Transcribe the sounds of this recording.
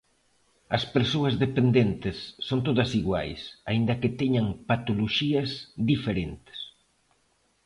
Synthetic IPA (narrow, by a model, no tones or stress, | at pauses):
ɐspeɾsoɐzðepend̪ent̪ɪsːont̪oðɐsiɣwa̰jsaind̪ɐket̪ɛɲaŋpat̪oloʃiɐzðifeɾent̪ɪ̥s